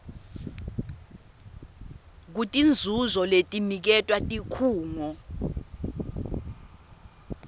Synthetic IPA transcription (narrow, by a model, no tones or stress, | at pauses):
k̬utʼind͡zʱuzɔletʼinik̬ɛtʼwatʼikʰuːŋɔ